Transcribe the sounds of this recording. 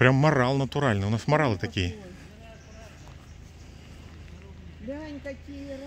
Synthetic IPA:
pɾʲamːɐɾalˠnət̪ʊɾalʲnɨʊnasmɐɾalˠɨt̪ɐkʲijə

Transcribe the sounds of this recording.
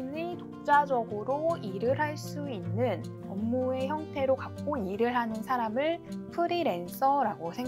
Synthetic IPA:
nitok̚t͡ɕ͈ad͡ʑʌɡɯɾoiɾɯɾɦaɭs͈uinːɯn | ʌmːue̞çjʌŋtʰe̞ɾokak̚k͈oiɾɯɭɦanɯnsʰaɾamɯɭpʰɯɾiɾe̞ns͈ʰʌɾaɡosʰe̞ŋ

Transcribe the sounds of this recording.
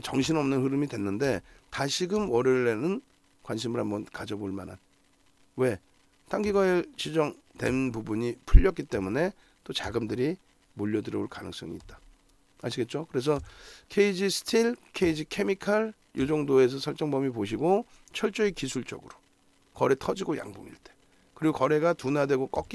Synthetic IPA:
t͡ɕʌŋɕʰinʌmnɯnɦɯɾɯmidwe̞nːɯnde̞taɕʰiɡɯmʌɾeɾːe̞nɯn | kwanɕ̬ʰimɯɾɦambʌnkad͡ʑʌboɭmana̰n | we̞ | t͈aŋɡiɡaet͡ɕid͡ʑʌŋ | twe̞nnpubuɲipʰuʎːʌk͈it͈e̞mune̞ | t͈ot͡ɕaɡɯmdɯɾi | moʎːʌdɯɾʌoɭkanɯŋs͈ʌ̰ŋiːt̚t͈ḁ | aɕʰiɡe̞t̚t͡ɕ͈okɯɾe̞s̬ʰʌkʰe̞id͡ʑisʰɯ̥tʰilkʰe̞id͡ʑikʰemikʰaɭ | jod͡ʑʌŋdoe̞s̬ʰʌsʰʌɭt͡ɕ͈ʌŋbʌmipoɕ̬ʰiɡo | t͡ɕʰʌɭt͡ɕ͈oikisʰuɭt͡ɕ͈ʌ̰ɡɯɾo̥ | kʌɾe̞tʰʌd͡ʑiɡoja̰ŋbo̰ŋḭɭt͈e̥ | kɯɾiɡokʌɾe̞ɡatunadwe̞ɡok͈ʌk͈i

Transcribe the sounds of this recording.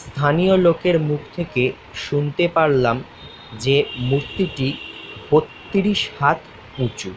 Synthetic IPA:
st̪ʰanijolokeɾmukʰt̪ʰeke | ʃunt̪epaɾlam | d͡ʑemuɾt̪iʈibot̪ːiɾiʃhat̪ʰ | ũt͡ɕu

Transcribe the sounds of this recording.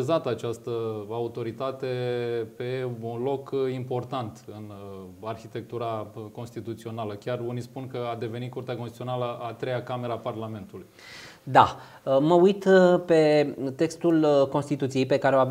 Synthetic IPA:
zat̪at͡ʃast̪əaut̪o̞ɾit̪at̪e̞pe̞unlo̞kimpo̞rt̪ant̪ɨnarçit̪e̞k̚t̪uɾako̞nst̪it̪ut̪sio̞naləkʲjarunispunkəad̪e̞ve̞nit̪̚kurt̪eakonst̪iionaləat̪ɾejakame̞ɾaparlame̞nt̪uluj | d̪a | əməujt̪pe̞t̪e̞kst̪ulko̞nst̪it̪ut̪sije̞jpe̞kaɾeowa

